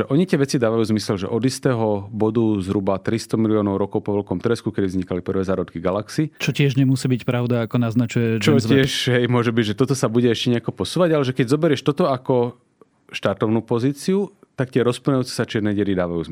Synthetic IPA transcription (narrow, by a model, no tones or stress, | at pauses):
ɛʔɔɲit̪ɪɛʋɛt͡sid̪aːʋajuːzmisɛlʒɛ̰ʔɔd̪ist̪ɛɦɔbɔd̪uzɦɾubat̪ɾist̪ɔmiliɔːnɔʊɾɔkɔʊpɔʋɛlkɔmt̪ɾɛskukɛd̪ivzɲikalipr̩ʋɛːzaːɾɔt̪kiɡalaksit͡ʃɔcɪɛʒɲɛmusiːbicpɾaʊd̪aːkɔnaznat͡ʃujɛt͡ʃɔɪɛʃɦɛjmʊɔʒɛbiɟʒɛt̪ɔt̪ɔsabuɟɛɛʃcɛɲɛakɔpɔsuːʋaɟalɛʒɛkɛɟzɔbɛɾɪɛʃt̪ɔt̪ɔakɔ | ʃt̪aɾt̪ɔʊnupɔziːt͡siut̪akt̪ɪɛɾɔspɔɲajuːt͡sɛ̥sat͡ʃɪɛd̪nɛɟɛɾid̪aːʋajṵːz